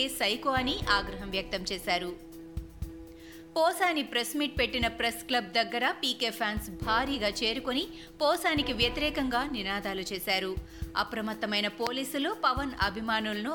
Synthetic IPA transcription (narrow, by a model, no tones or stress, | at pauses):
esɐjkoːɐniʔaːɡɾɐɦɐmʋjɐk̚t̪ɐmt͡ʃɛːsaːɾu | pɔːsaːnipɾɐsmiʈ̚pe̞ʈːinɐpɾesklɐb̚d̪ɐɡːɐɾɐpiːkeːpʰaːnsbʱaːɾiːɡaːt͡ʃe̞ːɾukoni | pɔːsaːnikiʋjɐt̪iɾɛːkɐŋɡaːninaːd̪aːlut͡ʃeːsaːɾu | ɐ̰pɾɐmɐt̪ːɐmɐjnɐpo̞ːliːsulupɐʋɐnɐbʱimaːnulɐnu